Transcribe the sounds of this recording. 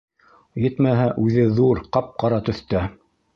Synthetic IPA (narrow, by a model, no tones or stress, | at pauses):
jɘt̪mæɦæʔʉðɘðuɾqɑp̚qɑɾɑt̪ɵ̆θt̪æ